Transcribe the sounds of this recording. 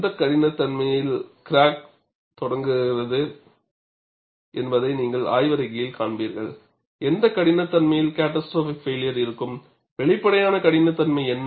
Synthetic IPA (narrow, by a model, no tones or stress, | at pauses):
d̪ɐkːɐɽɪnɐt̪ːɐnmɐjɪlkɪɾaːk̚ | t̪ɔɽɐŋɡɯrɐðɯ | ʔɛnbɐðɐɪniːŋɡɐɭa̰ːjʋɐɾɐɪɣɐjɪlkaːnbiːɾɣɐ̰ɭ | ɛnd̪ɐkːɐɽɪnɐt̪ːɐnmɐjɪlkaːʈːɐsʈɾoːfɪkfeːlɪjɐɾɪɾɯkːɯm | ʋɛɭɪpːɐɽɐjaːnɐkɐɽɪnɐt̪ːɐnmɐɪɛnː